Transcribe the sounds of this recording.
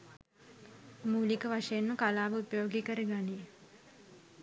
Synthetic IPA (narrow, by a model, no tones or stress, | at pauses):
muːlikəʋaʂɐjenməkalaːʋəupəjoːɡikəɾəɡani